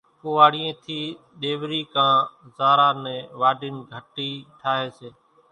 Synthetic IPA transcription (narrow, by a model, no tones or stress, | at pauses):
poːaːɽiẽːt̪ʰiː | ɗ̪eːʋɾiːkãːzaːɾaːnɛ̃ːʋaːɖɪnɡʱəʈiːʈʰaːɦeːseː